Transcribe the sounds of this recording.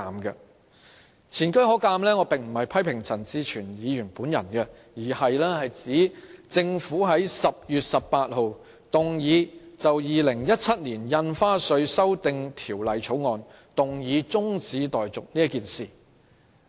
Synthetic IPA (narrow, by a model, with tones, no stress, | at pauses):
aː˧mkɛ˧ | t͡sʰiː˨˩nkɵ˥ɥhɔː˨˥kaː˧mlɛː˥ŋɔː˨˧pɪ˨ŋm̩˨˩hɐ˨jpʰɐ˥jpʰɪ˨˩ŋt͡sʰɐ˨˩nt͡siː˧t͡ʃʰyː˨˩njiː˨˧jyː˨˩npuː˨˥njɐ̰˨˩nkɛ˧ | jiː˨˩hɐ˨jlɛː˥hɐ˨jt͡siː˨˥t͡sɪ˧ŋfuː˨˥ɦɐ˨˥jsɐ˨p̚jyː˨t̚sɐ˨pːaː˧t̚ho˨w | t̪ʊ˨ŋjiː˨˧t͡sɐ˨wjiː˨lɪ˨˩ŋjɐ˥t̚t͡sʰɐ˥t̚niː˨˩njɐ˧nfaː˥sɵ˧ɥsɐ˥wt̪ɪ˧ŋt̪ʰiː˨˩wlɐ˨jt͡ʃʰo˨˥wŋɔː˧n | t̪ʊ˨ŋjiː˨˧t͡sʊ˥ŋt͡siː˨˥t̪ɔː˨˩jt͡sʊ˨k̚niː˥ɐ˥kiː˨nsiː˨˩